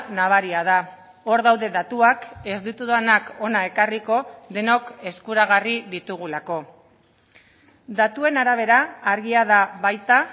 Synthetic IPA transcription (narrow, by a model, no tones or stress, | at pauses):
naβ̞aɾiað̞a | o̞ɾðawðe̞ðat̪uake̞zd̪it̪uðanako̞nae̞kariko̞ðe̞no̞ke̞skuɾaɣariðit̪uɣulako̞ | d̪at̪ue̞naɾaβ̞e̞ɾaːɾɣiaðaβajt̪a